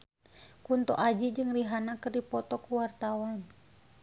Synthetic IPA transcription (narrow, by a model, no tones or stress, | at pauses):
kunt̪ɔ̰ʔad͡ʒid͡ʒɨŋriɦanakərdipɔt̪ɔkuwart̪awan